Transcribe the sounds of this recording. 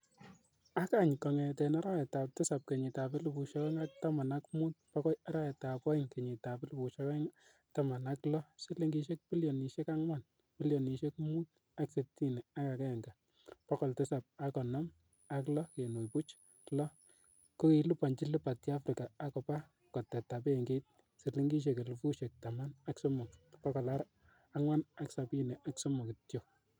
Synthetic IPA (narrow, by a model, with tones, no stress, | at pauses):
a˦ka˦˨ɲkɔ˨ŋɛ˨tɛ˨na˦ɾa˦jɛ˨ta˨p̚tɛ˦sa˨p̚ke˨ɲɪ˨ta˨pe˦lu˨pu˨ʃɔ˦kɛ˦ŋa˦k̚ta˦ma˨na˦kmu˦t̚pa˦kɔ˦a˦ɾa˦jɛ˨ta˨pɔ˦ɪ˦ŋke˨ɲɪ˨ta˨pe˦lu˦pu˨ʃɔ˦kɛ˦ŋ | ta˦ma˨na˦klɔ˦si˦le˦ŋɡi˦ʃe˦k̚pi˦ljɔ˨ni˨ʃe˦ka˦ŋwa˦˨n | pi˦ljɔ˨ni˨ʃe˦kmu˦t̚ | a˦kse˨ti˦nɛ˨a˦ka˨kɛ˦ɛ˨ŋɡa˨ | pɔ˦kɔ˨ltɛ˦sa˨p̚a˦kɔ˨nɔ˦m | a˦klɔ˦ke˨no˨jpu˦t͡ʃ | lɔ˦ | ko˦ke˨lu˦pa˨ɲt͡ʃi˦lu˦pa˨tja˦fɾi˨kaː˨˦kɔ˨pa˦ | kɔ˨tɛ˨ta˨p̬e˦˨ŋɡe˦t̚ | sɪ˨li˦ŋɡi˦ʃ̬e˨ke˨lu˨fu˦ʃe˨k̚ta˨ma˦na˦kso˦mʊ˨kpɔ˦kɔ˨la˦ɾ | a˦ŋwa˦na˦ksa˨pi˦nɛ˨ʔa˦kso˦mʊ˨ktjo˨